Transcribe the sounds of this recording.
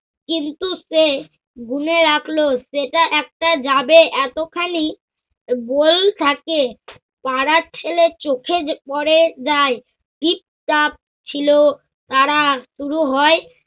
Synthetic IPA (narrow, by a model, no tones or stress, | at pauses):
kint̪use | ɡuneɾakʰloʃeʈaʔɛk̚ʈad͡ʑabeʔɛt̪okʰali | bolt̪ʰake | paɾat͡ɕʰelet͡ɕokʰepɔɾed͡ʑae | ʈip̚ʈap̚ | t͡ɕʰilo | t̪aɾaʃuɾuɦɔe